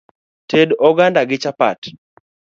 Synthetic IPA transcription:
tʰedɔɡandaɡɪt͡ʃapa̰t

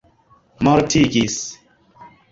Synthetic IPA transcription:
mɔɾtʰiɡis

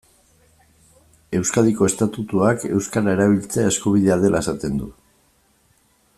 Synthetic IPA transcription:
e̞wskaðiko̞e̞st̪at̪ut̪uake̞wskaɾae̞ɾaβ̞ilt͡seaeskuβ̞iðe̞aðe̞lae̞sat̪e̞nd̪u

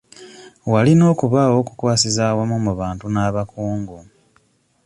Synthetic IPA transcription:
walino̞ːkuβaːwo̞ːku̥kwaːsizawamumuβaːntunaːβakuːŋɡo

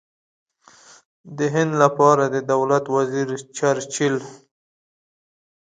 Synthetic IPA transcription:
d̪əɦɪnd̪lapɑɾad̪əd̪awlat̪waziɾt͡ʃaɾt͡ʃil

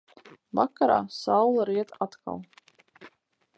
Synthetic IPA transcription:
vakaɾa̰ːsawlˠaɾiɛt̪aat̪kʰa̰lˠ

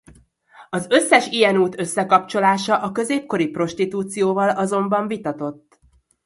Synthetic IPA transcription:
ɒzø̞sːɛʃijɛnuːt̪ø̞sːɛkɒpt͡ʃo̞laːʃɒʔɒkø̞zeːp̚ko̞ɾipro̞ʃt̪it̪uːt̪sijoːvɒlɒzo̞mbɒɱvit̪ɒt̪o̞t̪ː

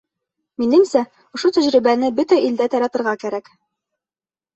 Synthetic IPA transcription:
minɘmsæ | ŏʃot̪æʑɾibænɘbɵt̪æʔild̪æt̪ɑɾɑt̪ɤ̆ɾʁɑkæɾæk

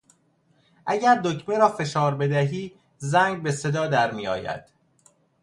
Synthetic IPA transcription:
ʔæɟæɾd̪ocʰmeɾɒːfe̞ʃɒːɾbe̞d̪æɦiː | zæŋɡbe̞se̞d̪ɒːd̪æɾmiːjɒ̰ːjæ̰d̪̥

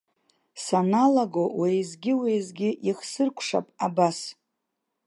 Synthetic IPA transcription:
sanalaɡowijzɡʲɪwejzɡʲɪʔiχsɨrkʷʰʂa̰pʼabas

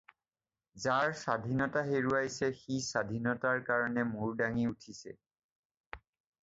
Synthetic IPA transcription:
zaɹsad̪ʱinɔtaɦeɹuajsɛxisadʱinɔtaɹkaɹɔnɛmuɹdaŋiutʰisɛ̰

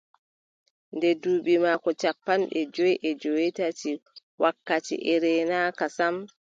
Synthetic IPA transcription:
ndɛduːɓimaːkɔt͡ʃapːanɗɛd͡ʒɔjʔɛd͡ʒowitatiwakːatḭʔɛɾɛnakasam

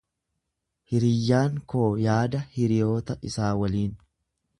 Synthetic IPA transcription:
hɪɾɪjːaːŋko̞ːjaːd̪ɐhɪɾɪjo̞ːt̪ɐʔɪsaːwɐliːn

